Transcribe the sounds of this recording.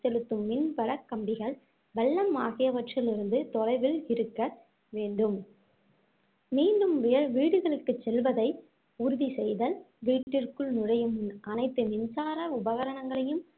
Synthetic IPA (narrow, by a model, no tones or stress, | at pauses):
sɛɻɯt̪ːɯmːɪnpɐɽɐkːɐmbɪɣɐɭ | bɐlːɐmaːɣɪjɐʋɐʈrɪlɪɾɯnd̪ɯt̪ɔrɐɪʋɪlɪɾɯkːɐ | ʋeːɳɖɯm | miːɳɖɯmʋɪjɐɭʋiːɽɯɣɐɭɯkːɯt͡ʃːɛlʋɐðɐɪ | ʊɾʊðisɛjðɐl | ʋiːʈʈːɪrkɯɭnʊrɐjɯmnʔɐnɐɪt̪ːɯmɪnsaːɾɐʊbɐɣɐɾɐɳɐŋɡɐɭɐjɯm